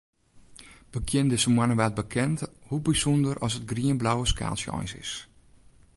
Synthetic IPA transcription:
bəkʰjɪndɪsəmwanəʋat̚bəkʰɛnthubisɔndərɔsət̚ɡriənblawəska̰ːlˠsjɔ̰jnsɪ̰s

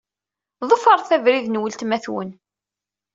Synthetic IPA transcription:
ðˤəfəɾˤθævɾiðnwəlt̪mæθwə̰n

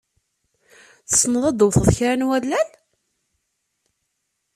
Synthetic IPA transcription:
θə̥snəðˤɑd̪ˤowθəðˤçɾænwælːæl

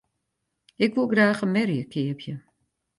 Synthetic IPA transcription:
ɪkʋulˠɡraːxəmɛrjəkʰɪəpʰjə

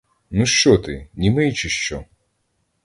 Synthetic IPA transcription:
nuʃt͡ʃɔt̪ɪnʲimɪjt͡ʃɪʃt͡ʃɔ

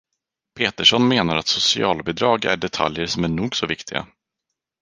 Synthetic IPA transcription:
pʰeːt̪əʂɔnmeːnaɾat̪sʊsɪɑːlbɪd̪ɾɑːɡæ̰ɖɛt̪ʰa̰ljəɾʂɔmæɳuːɡsɔvɪkt̪ʰɪɡa̰

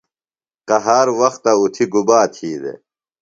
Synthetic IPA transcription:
qɐɦaːɾwɐxt̪aut̪ʰiɡubaːt̪ʰiːd̪ḛ

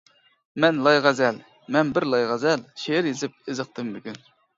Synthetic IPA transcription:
mɛnlˠɑjʁɛzɛl | mɛnbɪɾlˠɑjʁæzɛlʃeɾjezɪp̚ezɨq̚t̪ɨmːykʲyn

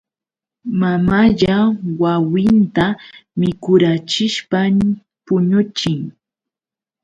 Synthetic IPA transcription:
mamaʎawawɪnt̪amɪkʊɾat͡ʃɪʃpam | pʊɲʊt͡ʃɪŋ

